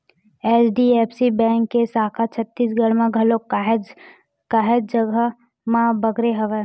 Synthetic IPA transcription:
eːsɖieːpʰsibɛ̃ːŋkːesaːkʰat͡ʃʰət̪ːiːsɡəɾmãɡʱɐlo | kaɦed̪̚d͡ʒəɡə | mãbɐɡɾeɦɐʋe

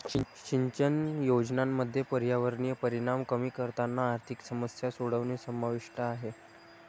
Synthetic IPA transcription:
ɕiɲt͡ɕənjod͡ʑnamːəd̪ʱːjepəɾjaʋəɾɳijəpəɾiɽ̃amkəmiːkəɾt̪anːaːɾt̪ʰiksəməsjasoɽəʋniːsəmaʋiʂʈəaɦe

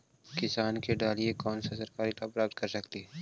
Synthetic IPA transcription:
kɪsaːnkeɖaːliekɔːnsasɐɾkaːɾit̪apɾaːp̚t̪̚kɐɾsɐkt̪iɦɛ

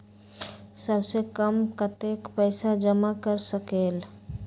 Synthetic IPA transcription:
səbsekəmkət̪ekpəɪsad͡ʒəmakəɾsəkeːl

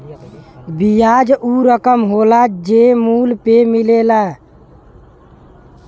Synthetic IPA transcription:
bijad͡ʒuɾəkəmɦolad͡ʒemulpemilela

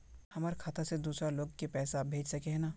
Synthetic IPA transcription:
hɐmaːɾkʰaːt̪ʰased̪uːsɾaloːɡkepɛːsabʱeːd͡ʒsɐkeɦɛnaː

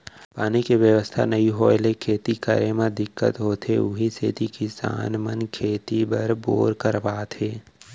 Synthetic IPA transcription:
paːnikiʋjəʋəst̪ʰa̰nɐɦĩɦoːlekʰeːt̪ikəɾemãd̪ɪkːə̰t̪ɦoːt̪ɦeʊɦiset̪ikisa̰ːnmənkʰeːt̪ibəɾbo̰ːɾkəɾbaːt̪ɦeː

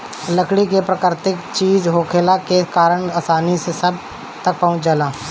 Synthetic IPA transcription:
ləkɽikepɾəkəɾt̪ɪkt͡ʃiːd͡ʒɦoːkʰelakekaːɾəɳ̃aːsaːnisesɐb̚ | t̪ɐk̚pɐɦʊ̃t͡ʃd͡ʒəlaː

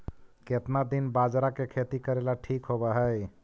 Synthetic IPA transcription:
ket̪nad̪inbad͡ʒɾakekʰet̪ikəɾelaʈʰikɦobəɦə

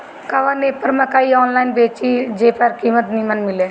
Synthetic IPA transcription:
kaʋaːneːpəɾməkaːiːɔːnlaːɪnbeːt͡ʃiːd͡ʒeːpəɾkiːmət̪niːmənmɪleː

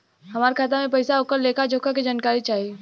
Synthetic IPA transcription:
ɦɐmaːɾkʰaːt̪amẽpɐɪsaʊkəɾleːkʰad͡ʒokaked͡ʒaːnkaːɾit͡ʃaːɦi

